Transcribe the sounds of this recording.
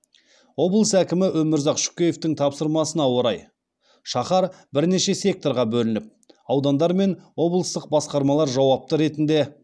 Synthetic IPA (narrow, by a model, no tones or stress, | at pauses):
wo̞blˠəsækʲɪmɪʔɵmɪɾzɑqʃʏ̥kʲeje̞ft̪ɪŋt̪ʰɑpsəɾmɑsənɑwo̞ɾɑj | ʃɑχɑɾ | bɪɾne̞ʃe̞sʲe̞k̚t̪o̞ɾʁɑbɵlɪnɪp̚ | ɑwd̪ɑnd̪ɑɾme̞nwo̞blˠəst̪əq̚bɑsqɑɾmɑlˠɑɾʒɑwɑp̚t̪əɾe̞t̪ɪnd̪e̞